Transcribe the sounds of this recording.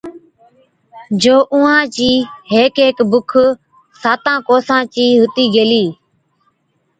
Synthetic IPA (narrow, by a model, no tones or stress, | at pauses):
d͡ʒoːʔʊ̃ːãːt͡ʃiːɦeːkeːkbʊkʰ | saːt̪ãːkoːsãːt͡ʃiːɦʊt̪iːɡeːliː